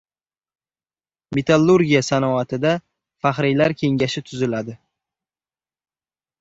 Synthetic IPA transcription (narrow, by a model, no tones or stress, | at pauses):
met̪ʰalˠːuɾɡʲijasanɒat̪ʰɪd̪a | faχɾɪjlaɾkʲʰe̞ŋɡʲaʃɪt̪ʰʊzɪlad̪ɪ